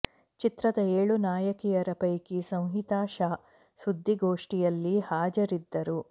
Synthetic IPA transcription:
t͡ʃit̪ɾɐd̪ɐeːɭunaːjɐkijɐɾɐpɐjkisɐ̃w̃ɦit̪aːʃaː | sud̪ʱːiɡo̞ːʂʈijɐlːihaːd͡ʒɐɾid̪ːɐɾu

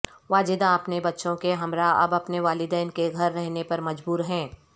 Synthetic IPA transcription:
ʋaːd͡ʒɪd̪aɐpnebɐtːʃõkeɦɐmɾaɐ̰bɐpneʋaːlɪd̪ɛːnkeɡʱɐɾːɛɦnepɐɾmɐd͡ʒbuːɾɦɛ̃ː

